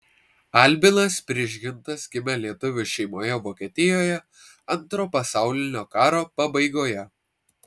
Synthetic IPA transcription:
ɐˑlʲbʲɪnɐspʲɾʲɪʒʲɡʲɪnt̪ɐsɡʲɪmʲɛlʲiɛt̪ʊʋʲʊʃʲɛɪmoːjɛʋoːkʲiɛt̪ʲɪjoːjɛ | ɐnˑt̪ɾoːpɐsɑˑʊlʲɪnʲoːkɑːɾoːpɐbɐɪɡoːjɛ

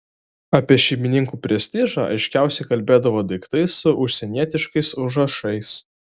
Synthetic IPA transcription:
ɐpʲiɛʃʲɛɪmʲɪnʲɪŋkuːpʲɾʲɛsʲt̪ʲɪʒɑːʔɐ̰ɪʃʲkʲæˑʊsʲɛɪkɐlʲbʲeːd̪ɐʋoːd̪ɐɪkt̪ɐɪsːʊʔʊʃʲsʲɛnʲiɛt̪ʲɪʃkɐɪsʊʒɐʃɐɪs

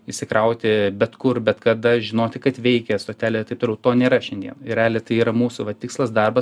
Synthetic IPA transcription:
ɪʃʲsʲɪkɾɐʊt̪ʲɪbʲɛt̪kʊrbʲɛt̪kɐd̪ɐʒʲɪnoːt̪ʲɪkɐt̪ʋʲɛɪkʲɛst̪oːt̪ʲæːlʲet̪ɐɪpt̪oːlʲɛʊt̪oːnʲeːɾɐʃʲɛnd̪ʲiɛnnɪɾʲæːlʲeːt̪ɐɪiːɾɐmuːsʊʋɐt̪ʲɪkslˠɐsd̪ɐrbɐ

